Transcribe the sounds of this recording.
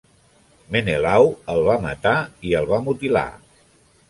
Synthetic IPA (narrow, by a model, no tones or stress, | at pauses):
menelawəlˠβamə̰t̪aiəlˠβamut̪ila̰